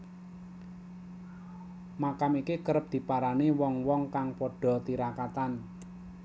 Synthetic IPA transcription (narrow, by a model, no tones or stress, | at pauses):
makamikikəɾəp̚d̪̥i̤paɾaniwɔŋwɔŋkaŋpɔɖ̥ɔ̤t̪iɾakat̪an